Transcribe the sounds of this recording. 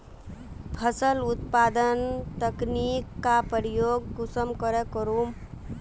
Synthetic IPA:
pʰəsəlʊt̪pad̪ənt̪əknikːapəɾijoːɡːʊsəmkəɾekəɾum

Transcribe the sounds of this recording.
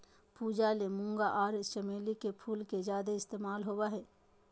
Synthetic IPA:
puːd͡ʒalemʊ̃ŋɡaʔɔːɾɪst͡ʃəmeːlikepʰuːlked͡ʒaːd̪eɪst̪eːmaːlɦoːwaɦɛː

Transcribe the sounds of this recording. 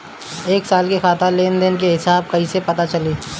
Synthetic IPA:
eːksaːlkexaːt̪aleːnd̪enk̬eɦɪsaːb̚kɐɦisepɐt̪at͡ʃɐleː

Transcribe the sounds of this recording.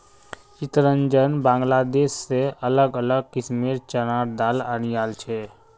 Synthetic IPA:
t͡ʃɪt̪ɾəɲd͡ʒənbãːŋɡlaːd̪eːʃseələɡələɡ̚kɪsmeːɾt͡ʃənaːɾd̪aːla̰ːñijaːlt͡ʃʰeː

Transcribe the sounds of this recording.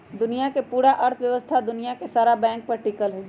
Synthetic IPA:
d̪ʊnijakepuːɾaʔɐɾt̪ʰʋjəʋəst̪ʰad̪ʊnijakesaːɾabɛ̃ːŋk̚pɐɾʈɪkəlɦɛ

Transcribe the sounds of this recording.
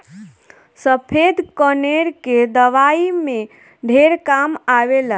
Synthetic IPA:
səpʰed̪kəneɾked̪əʋaimẽ | ɖʱeɾkamaʋela

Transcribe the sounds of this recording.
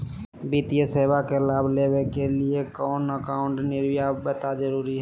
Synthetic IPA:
biːt̪ijəseːwakelaːbʱleːwekeliekɔːnəkaːʊ̃ɳʈnɪɾwjabət̪ad͡ʒəɾuːɾiɦɛ

